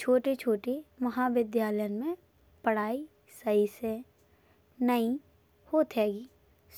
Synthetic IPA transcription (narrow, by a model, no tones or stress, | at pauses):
t͡ʃʰoːʈet͡ʃʰoːʈemɐɦaʋɪd̪jaːləjənmẽ | pəɽ̤aːi | səise | nɐĩ | hoːt̪ɦɛːɡiː